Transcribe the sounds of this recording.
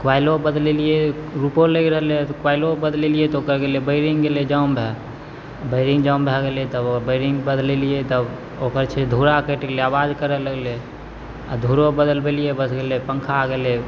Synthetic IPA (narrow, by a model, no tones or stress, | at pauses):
kwaɪlobəd̪lelijeɾupoleɡɾəɦəlet̪kwaɪlobəd̪lelijet̪ɔokəɾɡelebəɪɾiŋɡɡeled͡ʒaʊmbʱɛ | bəɪɾĩŋɡd͡ʒaʊmbʱɛɡelet̪əbbəɪɾiŋɡbəd̪lelijet̪əb | okəɾt͡ʃʰed̪ʱuɾakəʈəkleabad͡ʒkəɾɛləɡle | a̰d̪ʱuɾobəd̪əlbelijebəsʰɡelepəŋkʰaɡele